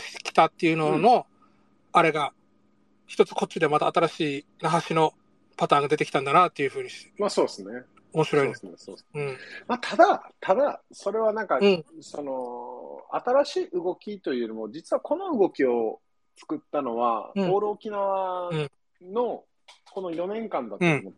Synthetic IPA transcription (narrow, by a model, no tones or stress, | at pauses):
ɕi̥t̪kʲi̥t̪at̪ːe̞jɯ̟no̞no̞ | aɾe̞ɡa | çi̥t̪o̞t͡sɨ̥ko̞t͡ɕːid̪e̞mat̪aːt̪aɾaɕiː | naɦaɕino̞ | pat̪aːŋɡad̪e̞t̪ekʲi̥t̪ãnd̪anat̪ːe̞jɯ̟ɸɯ̟ːɲ̟iɕt̪e̥maso̞ːsɨne | omo̞ɕiɾo̞id̪sesoɯ̟̃ɴmat̪ʰad̪at̪ʰad̪aso̞ɾe̞βanãŋkasono̞ | a̰t̪aɾaɕiːɯɡo̞kʲit̪o̞jiɯnomo̞d͡ʑit͡sɨβako̞no̞ɯ̟ɡo̞kʲio̞ | t͡sɨ̥kɯ̟t̪ːano̞βa̰oːɾɯ̟okʲinaβaɯ̃ | no̞ | ko̞no̞jo̞nẽ̞ŋkãnd̪atomot̪